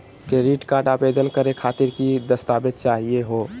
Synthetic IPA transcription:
keɾiʈkaɾɖaːbed̪ənkəɾekʰaːt̪iɾkid̪əst̪aːbet̪̚t͡ʃaːɦieɦo

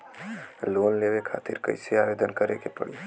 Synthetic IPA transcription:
lonlebekʰa̰t̪iɾkə̰ɪseabed̪ʱənkəɾekepə̰ɽḭ

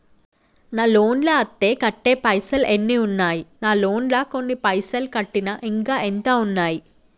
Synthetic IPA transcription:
naːlo̞ːnlɐɐt̪ːe̞ːkɐʈːeːpɐjsɐlenːiːunːaːjinaːloːnlɐko̞nːipɐjsɐlkɐʈːinɐʔiŋkaːʔent̪aːunːaːji

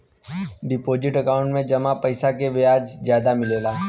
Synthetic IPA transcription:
ɖɪpoːd͡ʒɪʈɐkaːʊ̃ɳʈmẽd͡ʒɐmapɐɪsakeʋejaːd͡ʒzjaːd̪amɪleːlaː

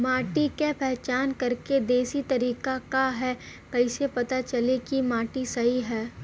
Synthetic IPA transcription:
maːʈikepɛɦt͡ʃaːnkɐɾked̪eːsit̪ɐɾiːkakaɦɛː | kɐɪsepɐt̪at͡ʃɐlekimaːʈisɐɦiɦɛː

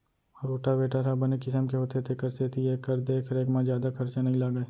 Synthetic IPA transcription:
ɔːɾoːʈabeːʈaɾabɐnekɪsəmkeɦoːt̪et̪ʰekɐɾseːt̪ʰijeːkːəɾd̪eːkʰɾeːkmãzjaːd̪akʰɐɾt͡ʃanɐɦĩlaːɡae

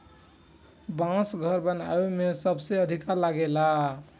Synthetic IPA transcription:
bãsɡʱəɾbəna̰emesəbseəd̪ʱikaɾlaɡela

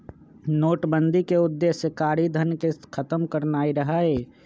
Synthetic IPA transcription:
noːʈbə̃nd̪ʱikeʊd̪ːeːsjəkaːɾid̪ʱənkekʰət̪əmkəɾnaːiɾəɦaeː

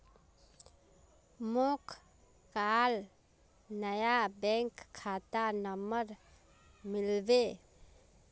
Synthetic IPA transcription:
mokʰ | kal | nəjabɛ̃ŋkʰːat̪anəməɾ | mɪlbe

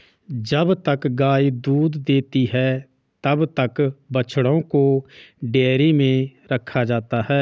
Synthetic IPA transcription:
d͡ʒəbt̪əkɡaːiːd̪uːd̪d̪eːt̪iːɦɛː | t̪əbt̪əkbət͡ʃʰɽõːkoːɖeːɾiːmẽːɾəkʰːaːd͡ʒaːt̪aːɦɛː

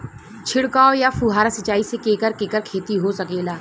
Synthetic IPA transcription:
t͡ʃʰɪɽkaːojafuɦaːɾasɪt͡ʃaːisekẽːkəɾkeːkəɾkʰeːt̪iɦosɐkeːlaː

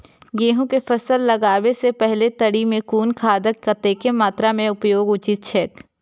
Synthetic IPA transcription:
ɡeːɦõkefɐsəlːɐɡaːʋesepɛɦlet̪ɐɽimẽkuːnkʰaːd̪əkkɐt̪ekemaːt̪ɾamẽʊpjoːɡʊt͡ʃɪt̪̚t͡ʃʰɛːk

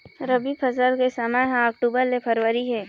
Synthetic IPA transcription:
ɾəbibpʰəsəlkesamãɦãəkʈuːbəɾlepʰəɾwəɾiɦɛː

